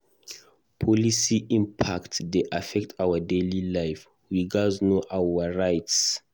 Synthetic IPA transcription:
pʰɔlisiʔĩmpʰaktdeʔafɛk̚tʰawədelilajf | wiɡaznoʔawəɹajts

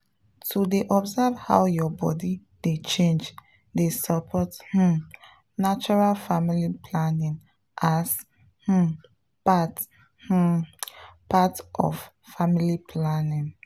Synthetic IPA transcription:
tʰudeʔɔbzavha̰wjɔbɔ̰di | det͡ʃẽnd͡ʒ | desəpʰɔth̩ | nat͡ʃɔɹalfamilipʰlanĩŋ | ʔas | h̩ | pat | h̩ | patʔɔ̰f | familipʰlanĩŋ

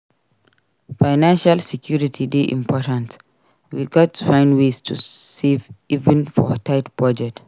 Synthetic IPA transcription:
faɪnãnʃalsɛkʰjuɹitʰideʔḭ̃mpʰɔtãnt | wiɡɔtːu̥fãɪ̃ndwestʰṵsevivɛ̃nfɔ̰tʰaɪtbɹɔd͡ʒɛt

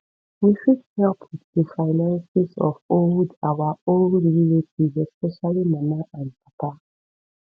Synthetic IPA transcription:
wifud̚hɛlpʰwɪððəfaɪnãnsizɔ̰foldawaolilitizɛspɛʃalimanaʔãndpata

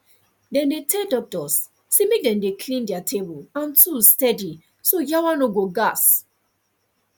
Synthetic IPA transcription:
dɛ̃mdetʰɛldɔk̚tɔsː | emek̚dɛ̃mdekʰlĩndiatʰebulãntustɛdi | sojawanoɡoɡas

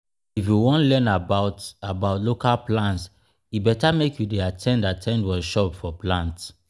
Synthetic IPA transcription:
ifjuwɔ̃nlɛ̃nabaʊtabaʊtlokalplãnts | ibɛtamekjudeatʰɛ̃ndatʰɛ̃ndwɛʃɔpfɔplãnts

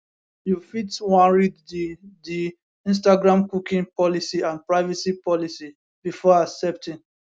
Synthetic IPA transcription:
jufitwãnɹiddi | ĩns̬taɡɹãmkukĩŋpɔlisiãnpɹaɪvɛsipɔlisi | b̥ifɔasɛp̚tĩn

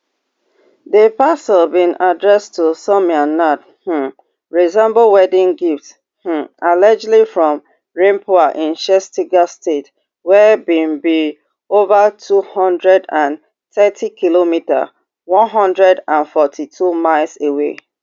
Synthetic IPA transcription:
ðəpasəlbĩnadɹɛstʰusɔmiãnat | h̩ | ɹizɛ̃mbəwɛdĩŋɡifts | h̩alad͡ʒlifɹɔ̃m | ɹẽmpʰoaʔĩnʃɛstiɡastet | wɛbĩnbi | ovatʰuhɔ̃ndɹɛdãn | θɛtʰikʰilomita̰ | wɔ̃nɦɔ̃ndɹɛdãnfɔtʰitʰumaɪlˠsewe

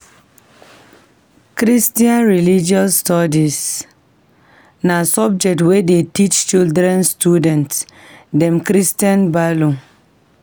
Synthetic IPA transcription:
kɾistiãnɹilid͡ʒiɔsːtɔdis | nasɔb̚d͡ʒɛk̚twedetit͡ʃt͡ʃildɾɛ̃nstjudɛ̃ntdɛ̃mkɾistiãnbalõ

